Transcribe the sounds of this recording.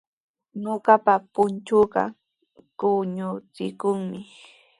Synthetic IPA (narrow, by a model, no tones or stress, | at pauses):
ɲoɢɑpapʊnt͡ʃʊɢɑ̰ | kʊɲʊt͡sɪ̰kʊŋmɪ